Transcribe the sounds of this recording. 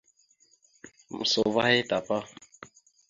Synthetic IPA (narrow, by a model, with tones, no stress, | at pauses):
m̩˨so˨va˦he˦ta˨pa˦